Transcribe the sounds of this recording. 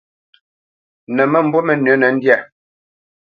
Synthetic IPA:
nɛ˨mɛ˦m̩˦bɔ˦mɛ˨nə˨˦nɛ˨n̩˦djɛ˦˨

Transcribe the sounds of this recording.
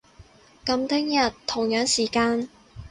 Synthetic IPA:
kɐ˧mt̪ʰɪ˥ŋjɐ˨t̪ʰːʊ˨˩ŋjœː˨˥ŋsiː˨˩kaː˧n

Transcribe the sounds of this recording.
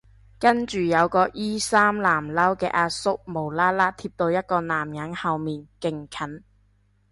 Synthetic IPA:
kɐ˥nt͡ʃyː˨jɐ˨˧wkɔː˧ʔiː˥saː˥mlaː˨˩mlɐ˥wkɛ̰ː˧ʔaː˧t̚sʊ˥k̚mo˨˩wlaː˥laː˥t̪ʰiː˧p̚t̪o˧wjɐ˥t̚kɔː˧naː˨˩mjɐ˨˥ŋhɐ˨˧wmiː˨nkɪ˨˩ŋkʰɐ˨˥n

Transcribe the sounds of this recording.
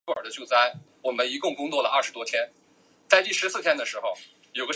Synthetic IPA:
ə̰˞˨˩d̪ə˦t͡ɕjo˥˧ʊt͡sa˥˩ɪ | wɔ˨˩mə˦ni˧˥kʊ˥˧ŋkʊ˥ŋt͡swɔ˥˩lə˩ʔɐ˥˩ʂɻ̩˧t̪wɔ˥t̪ʰjɛ˥n | t͡sa˥˧ɪt̪i˥˩ʂɻ̩˧˥sɹ̩˥˩t̪ʰjɛ˥nd̪ə˨˩ʂɻ̩˧˥xo˧ʊ | jo˨˩ʊɡə˦˥

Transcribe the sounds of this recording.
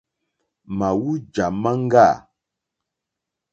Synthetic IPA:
ma˨wu˦d͡ʒa˨ma˦ŋ˦ɡa˦˨

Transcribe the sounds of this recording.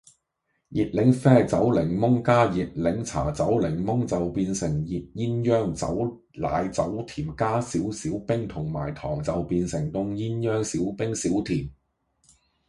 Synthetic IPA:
jiː˨t̚lɪ˨˥ŋfɛː˥t͡sɐ˨˥wlɪ˨˩ŋmʊ˥ŋkaː˥jiː˨t̚lɪ˨˥ŋt͡sʰa̰ː˨˩t͡sɐ˨˥wlɪ˨˩ŋmʊ˥ŋt͡sɐ˨wpiː˧nsɪ˨˩ŋjiː˨t̚jiː˥njœː˥ŋt͡sɐ̰˨˥w | la̰ː˨˧jt͡sɐ˨˥wt̪ʰiː˨˩mkaː˥siː˨˥wsiː˨˥wpɪ˥ŋt̪ʰʊ˨˩ŋma̰ː˨˩jt̪ʰɔː˨˩ŋt͡sɐ˨wpiː˧nsɪ˨˩ŋt̪ʊ˧ŋjiː˥njœː˥ŋsiː˨˥wpɪ˥ŋsiː˨˥wt̪ʰiː˨˩m

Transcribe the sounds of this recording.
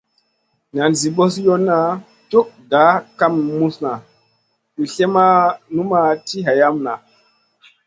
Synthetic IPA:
na˨nzi˨ɓo˦s̬jo˦nːa˨ | to˦ʔɡa˨˦ka˦mːu˦sna˨ | tu˨ɬe˦ma˦nu˦ma˨ti˦ɦa˨ja˦mna˨

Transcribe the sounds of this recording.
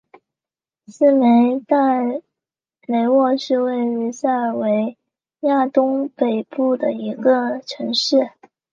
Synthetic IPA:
sɹ̩˥me˧˥ɪt̪a˥˩ | me˧˥ɪwɔ˥˧ʂɻ̩˥˧we˥˩ɪɻy˧˥sa˥˩˨we˧˥ɪ | ja˥˩t̪ʊ˥ŋpe˨˩ɪpu˥˩d̪ə˩i˧˥ɡə˧ʈ͡ʂʰɤ˧˥ŋʂɻ̩˥˩

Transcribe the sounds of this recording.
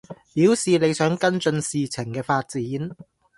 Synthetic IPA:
piː˨˥wsiː˨le˨˧jsœː˨˥ŋkɐ˥nt͡sɵ˧nsiː˨t͡sʰɪ˨˩ŋkɛː˧faː˧t̚t͡siː˨˥n

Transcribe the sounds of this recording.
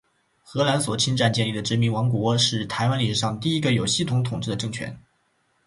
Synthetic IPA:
xɤ˧˥la˧˥nswɔ˨˩t͡ɕʰi˥nʈ͡ʂa˥˧nt͡ɕjɛ˥˧nli˥˩d̪ə˩ʈ͡ʂɻ̩˧˥mi˧˥nwɑ˧˥ŋkwɔ˧˥ʂɻ̩˥˩t̪ʰa˧˥ɪwa˥nli˧˥˩ʂɻ̩˧˩ʂɑ˥˩ŋd̪ət̪̬i˥˩i˥ɡə˧˨jo˨˩ʊɕi˥˩t̪ʰʊ˧˥ŋt̪ʰʊ˨˩ŋʈ͡ʂɻ̩˥d̪ə˩ʈ͡ʂɤ˥˩ŋt͡ɕʰɥɛ̰˧˥n

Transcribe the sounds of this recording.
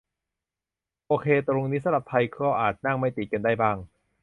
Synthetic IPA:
ʔoː˧kʰeː˧t̪ɾo˧ŋniː˦˥sa˧ɾa˨˩p̚t̪ʰa˧jkʰɔː˧˥˩ʔaː˨˩t̪̚na˥˩ŋma˥˩jt̪i˨˩ka˧ndaː˥˩jbaː˥˩ŋ

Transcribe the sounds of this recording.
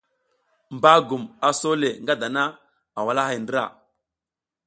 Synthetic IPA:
m˨ba˦ɡu˨ma˨so˦le˨ŋɡa˦da˨na˦ | a˨wa˨la˦ɦi˨ndə˦ɾa̰˨

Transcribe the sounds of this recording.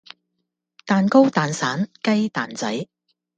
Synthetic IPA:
t̪aː˨nko˥wt̪aː˨nsaː˨˥nkɐ˥jt̪aː˨nt͡sɐ˨˥j

